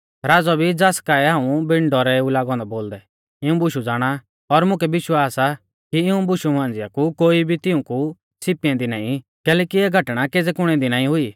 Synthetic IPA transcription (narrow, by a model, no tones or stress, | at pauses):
ɾaːd͡zɔbʱid͡zaːskaːɛɦãːũbɪ̃ɳɖɔɾɛulaːɡɔ̃ːnd̪aboːld̪ɛ | ɪũbʊʃud͡zaːɽ̃a | ɔɾmʊ̃kɛbɪʃwaːsa | kiɪũbʊʃumãːnd͡zɪjakukoːibʱit̪ɪũku | sɪpiãd̪inaːĩ | kɛːlɛːkiɛːɡʱɐʈɽ̃akeːd͡zɛkʊɽ̃ɛ̃d̪inaːĩɦʊiː